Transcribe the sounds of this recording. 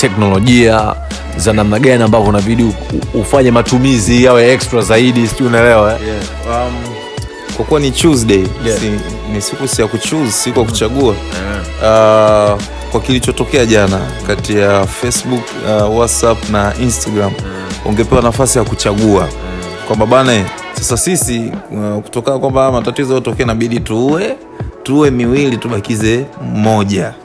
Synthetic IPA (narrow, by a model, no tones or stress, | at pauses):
tɛknɔlɔʄia | zanamnaɠaniambavɔnaɓiɗiufaɲɛmatumizijawɛɛkstɾazaiɗisunɛlɛɛɛ | am | kwakuwanit͡ʃuzɗɛii | nisikusijakut͡ʃuzsikuakut͡ʃaɠua | kwakilit͡ʃɔtɔkɛaʄanakatijafɛsɓuk | awatsapnaʔinstaɡɾam | ɔ̰ŋɡɛpɛwanafasijakut͡ʃaɠua | kwambaɓanaɛ | sasasisiku̥tɔkanakwambamatatizɔajɔtɔkɛanaɓiɗituwɛ | tuwɛmiwilituɓakizɛmɔʄa